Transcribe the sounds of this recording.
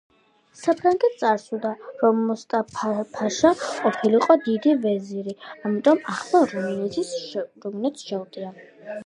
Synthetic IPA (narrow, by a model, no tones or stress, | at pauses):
sapʰɾaŋɡɛt̪̚ʰt̪sʼaɾsud̪aɾɔmːɔst̪ʼapʰpʰaʃaqʼɔpʰiliqʼɔd̪id̪ivɛziɾiamit̪ʼɔmaχlˠaɾumnɛt̪ʰisɾumnɛt̪sʃɛld̪ʼia